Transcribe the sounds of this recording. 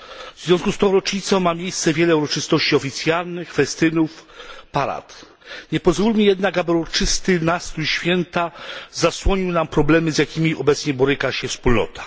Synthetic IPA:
vz̥vʲjɔ̃skust̪ɔ̃w̃ɾɔt͡ʂɲit̪sɔ̃w̃mːamʲjejst̪sɛvʲjɛlɛuɾɔt͡ʂɨst̪ɔɕt͡ɕiɔfʲit̪sʲjalnɘxfɛst̪ɘnufpaɾa̰t̪ | ɲɛpɔzvulʲmʲijɛd̪naɡabɨɾɔt͡ʂɘst̪ɘnast̪uɕfʲjɛnt̪azaswɔɲiwnampɾɔblɛmɘzjakʲimʲiɔbɛt̪sɲɛbɔɾɘkaɕɛfspulnɔ̰t̪ḁ

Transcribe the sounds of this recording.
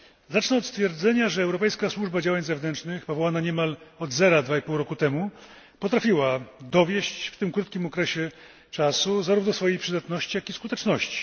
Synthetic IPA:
zat͡ʂnɛɔt̪st̪fʲjɛɾd̪zɛɲaʐɛːwɾɔpɛjskaswuʐbad͡ʑawaɲzɛvnɛnt͡ʂnɘxpɔvɔwanaɲɛmalɔd̪zɛɾad̪vaipuwɾɔkut̪ɛmu | pɔt̪ɾafʲiwad̪ɔvʲjɛɕt͡ɕft̪ɘmkɾut̪kʲimɔkɾɛɕɛ | t͡ʂasuzaɾuvnɔsfɔjejpʂɘd̪at̪nɔɕt͡ɕijakiskut̪ɛt͡ʂnɔɕt͡ɕi̥

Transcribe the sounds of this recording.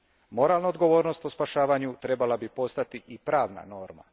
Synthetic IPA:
mo̞ɾaːlnaod̪ɡo̞ʋo̞ːɾno̞st̪ospaʃaːʋaɲut̪ɾe̞balabipo̞st̪at̪iʔipɾaːʋna̰no̞ːɾma̰

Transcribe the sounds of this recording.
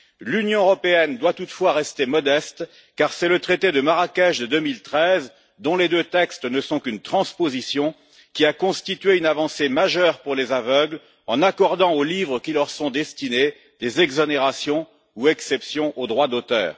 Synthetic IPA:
lynjɔ̃øʁɔpeɛnd̪wat̪ut̪fwaʁɛst̪emɔd̪ɛst̪ | kaʁsɛlət̪χet̪ed̪əmaʁakʲɛʒd̪əd̪ømilt̪χɛz | d̪ɔ̃led̪øt̪ɛkst̪nəsɔ̃kynt̪χɑ̃spozisjɔ̃ | kʲiakɔ̃st̪it̪ɥeynavɑ̃semaʒœʁpuʁlezavœɡl | ɑ̃nakɔʁd̪ɑ̃olivʁəkʲiləʁsɔ̃d̪ɛst̪ine | d̪ezɛɡzɔneʁasjɔ̃ | uɛksɛpsjɔ̃ʔod̪ʁwad̪ot̪œ̰ːʁ

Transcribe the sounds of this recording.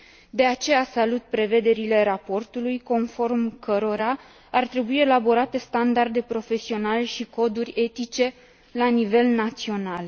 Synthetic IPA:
d̪e̞at͡ʃe̞jasalut̪̚pɾe̞ve̞d̪e̞ɾile̞ɾapo̞rt̪ulujko̞nfo̞rmkəɾo̞ɾa | art̪ɾe̞buie̞labo̞ɾat̪e̞st̪and̪ard̪e̞pɾo̞fe̞sio̞naleʃiko̞d̪urʲe̞t̪it͡ʃe̞ | lanive̞lnat̪sio̞nal

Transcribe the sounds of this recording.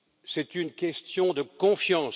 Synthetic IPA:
sɛt̪ynkʲɛst̪jɔ̃d̪əkɔ̃fjɑ̃s

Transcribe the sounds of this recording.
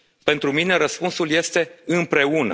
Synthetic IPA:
pe̞nt̪ɾumine̞ɾəspunsulje̞st̪e̞ɨmpɾe̞unə̰

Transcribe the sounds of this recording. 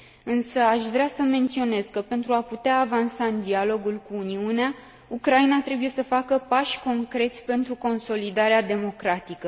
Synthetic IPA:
ɨnsəaʃvɾeasəme̞nt̪sio̞ne̞skəpe̞nt̪ɾuaput̪eaːvansaɨnd̪ialo̞ɡulkuːniunea | ukɾainat̪ɾe̞buje̞səfakəpaʃʲko̞ŋkɾe̞t̪sʲpe̞nt̪ɾuko̞nso̞lid̪aɾead̪e̞mo̞kɾat̪ikə

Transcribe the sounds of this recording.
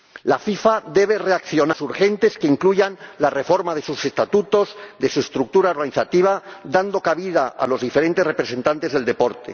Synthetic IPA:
lafifaðe̞β̞e̞re̞akθjo̞nasuɾxe̞nt̪e̞skeiŋkluʝanlare̞fo̞ɾmað̞e̞suse̞st̪at̪ut̪o̞zðe̞sue̞st̪ɾuk̚t̪uɾao̞ɾɣaniθat̪iβ̞ad̪and̪o̞kaβið̞aa̰lo̞zðife̞ɾe̞nt̪erepɾe̞se̞nt̪ant̪e̞zðeld̪e̞po̞ɾt̪ḛ

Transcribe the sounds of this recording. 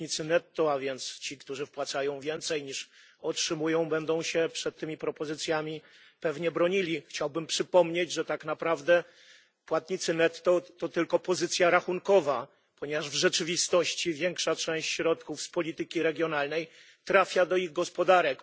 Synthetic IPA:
ɲit̪sɘnɛt̪ːɔavʲjɛnt̪st͡ɕikt̪uʐɘfpwat̪sajɔ̃w̃vʲjɛnt̪sɛjɲiʂ | ɔtʂɘmujɔ̃w̃bɛnd̪ɔ̃w̃ɕɛpʂɛt̪ːɘmʲipɾɔpɔzɘt̪sʲjamʲi | pɛvɲɛbɾɔɲilʲixt͡ɕawbɘmpʂɘpɔmɲed͡ʑʐɛt̪aknapɾavd̪ɛ | pwat̪ɲit̪sɘnɛt̪ːɔt̪ɔt̪ɘlkɔpɔzɘt̪sʲjaɾaxunkɔva | pɔɲɛvaʐvʐɛt͡ʂɘvʲist̪ɔɕt͡ɕivʲjeŋkʂat͡ʂɛ̃w̃ɕt͡ɕɕɾɔt̪kufspɔlʲit̪ɘkʲiɾɛɡʲjɔnalnɛj | t̪ɾafʲjad̪ɔiɣɡɔspɔd̪aɾɛk

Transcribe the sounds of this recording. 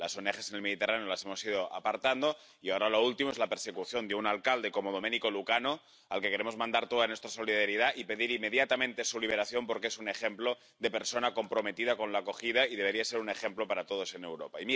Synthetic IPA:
lasonexesenelmeðit̪e̞ranejolasemo̞sið̞oʔa̰paɾt̪and̪o | iaoɾalo̞ult̪imoezlapeɾsekuθjo̞nd̪eunalkald̪e̞komoð̞omeniko̞lukano | alkekeɾemo̞zmãnd̪aɾt̪oðanwe̞st̪ɾaso̞liðaɾiðaʔipe̞ðiɾimːe̞ð̞jat̪amẽnt̪e̞suliβe̞ɾaθjo̞mpoɾkeesune̞xemplo̞ | d̪e̞pe̞ɾso̞nako̞mpɾo̞me̞t̪ið̞ako̞nlako̞xið̞aiðe̞β̞eɾiase̞ɾune̞xe̞mplopaɾat̪oð̞o̞senewɾopaimi

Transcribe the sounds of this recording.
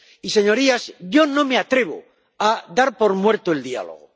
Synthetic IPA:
ise̞ɲo̞ɾiasɟ͡ʝo̞nõ̞me̞at̪ɾe̞β̞o̰ | ad̪aɾpo̞ɾmwe̞ɾt̪oeld̪ia̰lo̰ɣ̞o

